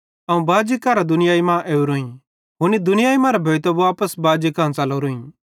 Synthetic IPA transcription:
ɐũbaːd͡ʒikːaɾad̪ʊnɪjaːimãʔeːuɾoːĩ | ɦʊnid̪ʊnɪjaːimãɾɛbʱɐːjt̪obaːpəsbaːd͡ʒikãːnsaloɾoːĩ

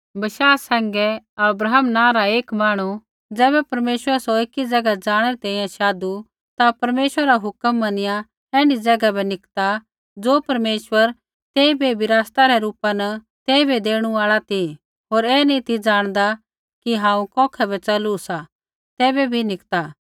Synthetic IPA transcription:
bʃaːsɛ̃ːŋɡɛɐbɾaːɦəmnãːɾaeːkmaːɽ̃u | d͡zɛːbɛpɐɾmeːʃwəɾsoɪkːid͡zɐɡad͡zaːɽ̃eɾit̪ɛ̃ːĩjãʃaːd̪u | t̪apɐɾmeːʃwɾəɾaɦʊkəmːɐnɪjã | ɛːɽ̃id͡zɐɡabɛnɪkt̪a | d͡zoːpɐɾmeːʃwəɾ | t̪eːibebʱiɾaːst̪aɾɛɾuːpanɐ | t̪eːibed̪eːɽ̃uaːɭat̪ʰi | ɦoːɾɛːnĩt̪id͡ʒaːɽ̃d̪a | kiɦãːũkɔ̃ːkʰɛbɛt͡ʃɐlusa | t̪ɛːbɛbʱinɪkt̪a

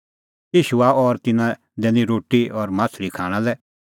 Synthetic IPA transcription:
jiːʃuaɔɾt̪ɪnã | d̪ɛːnĩɾoːʈːiɔɾmaːsʰlikʰaːɽ̃ãlɛ

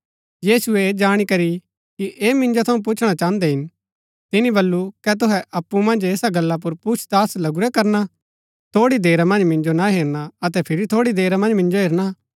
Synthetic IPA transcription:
jiːsuɛd͡ʒaːɽ̃ikɐɾi | kiʔeːmɪ̃nd͡ʒot̪ʰɐũp̬ʊt͡ʃʰɽ̃at͡ʃãːə̃nd̪ɛɦɪn | t̪ɪnĩbɐlːukɛt̪̬ʊɦɛʔɐpːumɐ̃nd͡ʒeːsaɡɐlːap̬ʊɾput͡ʃʰt̪aːslɐɡʊɾɛkɐɾna | t̪ʰoːɽid̪eːɾamɐ̃nd͡ʒmɪ̃nd͡ʒonaɦeːɾnaɐt̪̬ɛpʰɪɾit̪ʰoːɽid̪eːɾamɐ̃nd͡ʒmɪ̃nd͡ʒoɦeːɾna

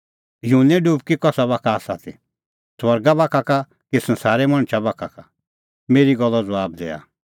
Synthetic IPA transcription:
junɛ̃ɖuːb̚kikɔsabakʰaːsat̪ʰi | swɐɾɡabakʰaka | kisɐ̃nsaːɾɛmɐ̃ɽ̃t͡ʃʰabakʰaka | meːɾiɡɔlːɔd͡zɐʋaːb̚d̪ɛ̰ːa̰

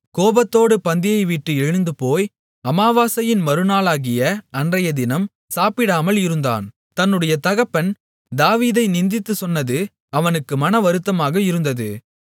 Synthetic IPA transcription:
koːbɐt̪ːoːɽɯpɐnd̪ɪjɐɪʋiʈːɯɛɻɯnd̪ɯpoːj | ɐmaːʋaːsɐjɪnmɐɾɯnaːlaːɣɪjɐɐndrɐjɐd̪ɪnɐm | saːpɪɽaːmɐlɪɾɯnd̪a̰ːn | t̪ɐnːɯɽɐjɐt̪ɐɣɐpːɐn | d̪aːʋiːðɐɪnɪnd̪ɪt̪ːɯsɔnːɐðɯ | ɐʋɐnɯkːɯmɐnɐʋɐɾɯt̪ːɐmaːɣɐɪɾɯnd̪ɐðɯ

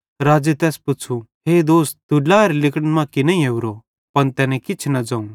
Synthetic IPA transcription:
ɾaːd͡ʒet̪ɛːspʊt͡ʃʰuɦeːd̪oːst̪̚d̪ʊɖlaːɐɾlɪkəɽnmãkɪnaĩɦeːuɾo | pɐnt̪ɛːnɛ̃kɪt͡ʃʰnɐd͡ʒãũ

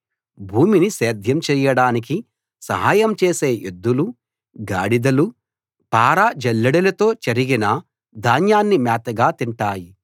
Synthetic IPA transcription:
bʱuːminiseːd̪ʱjɐmt͡ʃɛːjɐɽaːnik̬i | sɐ̰ɦaːjɐmt͡ʃeːse̞ːʔud̪ːulu | ɡaːɽid̪ɐlu | paːɾaːd͡ʒɐlːɐɽɐlɐt̪o̞ːt͡ʃɐɾiɡinɐ | d̪ʱaːnjaːnːimaːt̪ɐɡaːt̪iɳʈaːji

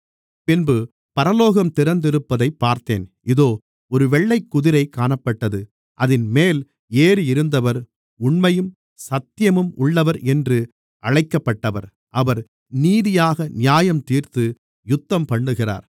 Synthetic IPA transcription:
pɪnbɯ | pɐɾɐloːɣɐmt̪ɪɾɐnd̪ɪɾɯpːɐðɐɪpːaːɾt̪ḛːnʔɪðoː | ɔɾɯʋɛɭːɐɪkːʊðɪɾɐɪkːaːɳɐpːɐʈːɐðɯ | ʔɐðɪnmeːl | eːɾɪɾɯnd̪ɐʋɐɾ | ʊɳmɐjɯm | sɐt̪ːɪjɐmɯmʊɭːɐʋɐɾɛndrɯ | ʔɐɻɐɪkːɐpːɐʈːɐʋɐɾ | ʔɐʋɐɾ | niːðɪjaːɣɐnɪjaːjɐmt̪iːɾt̪ɯ | jʊt̪ːɐmpɐɳɖɯɣɪra̰ːɾ

